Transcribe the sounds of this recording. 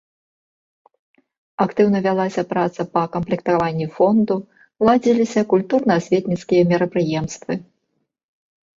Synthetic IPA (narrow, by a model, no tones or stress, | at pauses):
akt̪ɨwnɐvʲalˠasʲɐpɾat̪sɐpɐkɐmplʲikt̪avanʲːifɔnd̪u | lˠad͡zʲilʲisʲɐkulʲt̪urnɐːsʲvʲɛt̪ʲnʲit̪skʲijɐmʲɛɾɐpɾɨjɛmst̪vɨ